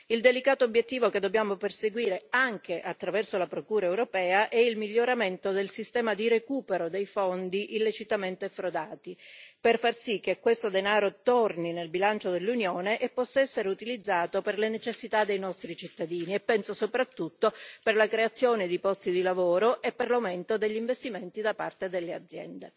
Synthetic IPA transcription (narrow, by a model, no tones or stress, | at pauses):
ild̪elikaːt̪oːbjet̪ːiːvoked̪ːobjaːmoperseɡwiːɾeaŋk̟eʔat̪ːɾavɛrsolapɾokuːɾaewɾopɛːaʔɛilmiʎːoɾament̪od̪elsist̪ɛːmad̪iɾekuːpeɾod̪ejfond̪iʔilːet͡ʃit̪ament̪efɾod̪aːt̪iperfarsik̟ːekːwest̪od̪enaːɾot̪orninelbilant͡ʃod̪elːunjoːneʔepːɔsːaɛsːeɾeut̪ilid̪zːaːt̪operlenet͡ʃesːit̪ad̪ejnɔst̪ɾit͡ʃit̪ːad̪iːniɛpːɛnsosopɾat̪ːut̪ːoperlakɾeat̪sːjoːned̪ipɔst̪id̪ilavoːɾoʔepːerlawment̪od̪eʎːiɱvest̪iment̪id̪apa̰rt̪ed̪elːead̪zːjɛ̰nd̪e